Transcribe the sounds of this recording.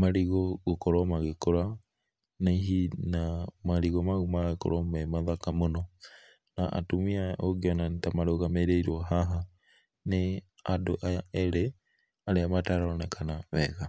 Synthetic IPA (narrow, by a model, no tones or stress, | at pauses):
maɾiɣɔɣokɔɾɔmaɣekoɾa | neɦinamaɾiɣɔmaɣumaɣako̰ɾɔmɛmaðakamonɔ | naʔa̰tumiaoɣiɔnantamaɾoɣameɾeiɾɔɦaɦa | ne | adoʔajaɛɾe | aɾeamataɾɔɔnɛkʰanaβɛɣa